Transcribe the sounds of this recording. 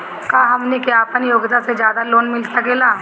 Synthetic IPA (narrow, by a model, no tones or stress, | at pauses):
kaːɦɐmnekjaːɐpənjoːɡt̪ased͡ʒjaːd̪aloːnmɪlsɐkeːlaː